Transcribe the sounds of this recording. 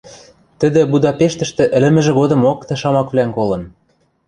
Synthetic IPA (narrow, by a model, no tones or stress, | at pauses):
t̪ə̆d̪ɘ̆bud̪ɑpeʃt̪ə̆ʃt̪ĕʔɘ̆lɘ̆mɘ̆ʒĕɣod̪ɤ̆mokt̪ĕʃɑmɑkβlæŋkolɤ̆n